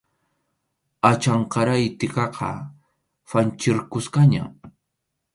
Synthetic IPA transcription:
at͡ʃaɴqɑɾajt̪ɪkɑqʰɑ̰ | fant͡ʃɪɾkʊskaɲa̰

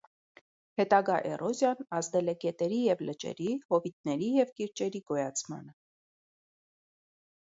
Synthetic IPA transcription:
hɛt̪ɑɡɑʔɛ̰rɔzjɑnɑzd̪ɛlɛkɛt̪ɛɾijɛvlət͡ʃɛ̰ɾihɔvit̪̚nɛɾijɛvkiɾt͡ʃɛɾiɡɔjɑt͡sʰmɑ̰nə

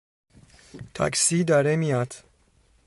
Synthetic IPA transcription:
t̪ʰa̰ksiːd̪ɒɾemijad̪

